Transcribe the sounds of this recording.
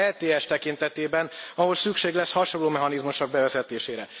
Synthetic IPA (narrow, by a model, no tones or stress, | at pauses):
ɛlt̪eːɛʃt̪ɛkint̪ɛt̪eːbɛnɒɦo̞lsykʃeːɡlɛshɒʃonloːmɛɦɒnizmuʃɒɡ̚bɛvɛzɛt̪eːʃeːɾɛ